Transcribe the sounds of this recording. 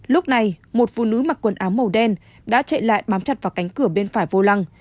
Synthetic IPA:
lʊ˦˥k͡p̚na˨˩jmo˨˩t̚fṵ˧˨nɨ˨˦maː˨˩kwə˨˩nʔaː˨˦mːə˨˩wɗɛ˧n | ɗa̰ː˧˥t͡ɕḛ˧˨la̰ː˧˨jɓaː˨˦mt͡ɕa˨˩t̚vaː˨˩wka˨˦ŋ̟kɨ˧˩əɓe˧nfaː˧˩jvo˧la˧ŋ

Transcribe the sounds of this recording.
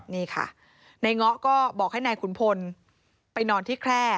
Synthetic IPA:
niː˥˩kʰa̰˥˩ | na˧jŋɔ˦˥ʔkɔː˥˩bɔː˨˩k̚ha˥˩jnaː˧jkʰu˩˦npʰo˧n | pa˧jnɔː˧nt̪ʰiː˥˩kʰɾɛː˥˩

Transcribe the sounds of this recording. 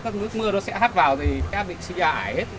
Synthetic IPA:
kaː˦˥k̚nɨ˦˥ək̚mɨ˧ənɔ˨˦sɛ̰˧˥ɦaː˦˥t̚vaː˨˩wt̪ʰi˨˩˨kaː˧˦˥ɓḭ˧˨ŋ̟si˧zaː˧˩ʔaː˧˨˩jhe˦˥t̚

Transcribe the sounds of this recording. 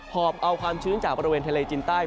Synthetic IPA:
pʰɔː˨˩p̚ʔa˧wkʰwaː˧mt͡ɕʰɯː˦˥nt͡ɕaː˨˩k̚bɔː˧ɾi˧weː˧nt̪ʰaː˧leː˧t͡ɕiː˧nt̪aː˥˩j

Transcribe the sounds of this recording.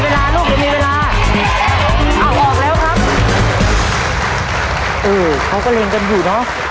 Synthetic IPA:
weː˧laː˧nuː˥˩k̚ma˧˩miː˧weː˧laː˧ | ʔa˧˩wɓɔː˨˩k̚lɛː˦˥wkʰa˦˥p̚ | ʔɤː˨˧˩ | kʰa˦˥wkɔː˥˩le˧ŋka˧njuː˨˩nɔ˦˥ʔ

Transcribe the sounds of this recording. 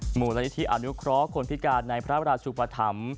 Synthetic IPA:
muː˨˩la˦ni˦t̪ʰi˦˥ʔa̰˨˩nu˦˥kʰɾɔ˦˥kʰo˧npʰi˦˥kaː˧nːa˧jpʰɾa˦˥pɾaː˧˩sʰuː˨˩pa˧t̪ʰa̰˩˦m

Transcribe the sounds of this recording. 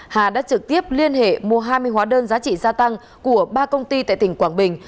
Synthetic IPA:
haː˨˩ɗa̰ː˧˥t͡ɕɨ˨˩k̚t̪i˦˥əp̚li˧ənɦḛ˧˨mu˧˩əɦaː˧jmɨ˧əjɦwaː˨˦ɗəː˧nzaː˨˦t͡ɕḭ˧˨zaː˧t̪a˧ŋ | ku˧˩əɓaː˧kə˧wŋ͡mt̪i˧t̪a̰ː˧˨jt̪ï˧˩ŋ̟kwaː˧˩ŋɓï˨˩ŋ̟

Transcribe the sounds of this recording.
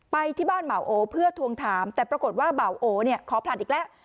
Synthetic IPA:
pa˧jt̪ʰiː˥˩baː˥˩nba˨˩˦wʔoː˨˧pʰɯ˥˩ət̪ʰu˧əŋt̪ʰaː˨˦mt̪ɛː˨˩pɾa˧ko˨˩t̪̚waː˥˩ba˨˩˦wʔoː˨˦ni˥˩ɐkʰɔː˨˦pʰla˨˩t̪̚ʔiː˨˩klɛ˦˥ʔ

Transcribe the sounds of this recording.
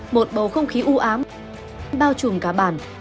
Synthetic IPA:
mo˨˩t̚ɓə˨˩wxə˧wŋ͡mxi˨˦ʔu˧ʔaː˨˦m | nɓaː˧wt͡ɕu˨˩ŋkaː˧˩ɓaː˧˩˨n

